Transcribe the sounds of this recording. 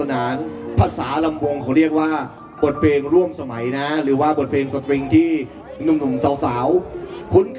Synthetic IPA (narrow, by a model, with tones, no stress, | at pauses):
a˧naː˩˦npʰaː˧saː˩˦la˧mwo˧ŋkʰa˨˩˦ɾi˥˩ək̚waː˥˩ | bo˨˩t̪̚pʰleː˧ŋɾu˥˩əmsa˧ma˩˦jna˦˥ɾɯː˩˦waː˥˩bo˨˩t̪̚pʰeː˧ŋsa˧t̪ɾi˧ŋt̪ʰiː˥˩ | nu˧mnu˨˩˦msaː˩˦wsaː˩˦wkʰu˦˥nkʰ